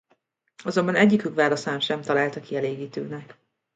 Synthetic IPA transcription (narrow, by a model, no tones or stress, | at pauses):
ɒzo̞mbɒnɛɟːikykʋaːlɒsaːmʃɛmt̪ɒlaːlt̪ɒkiɛleːɡiːt̪ø̰ːnɛk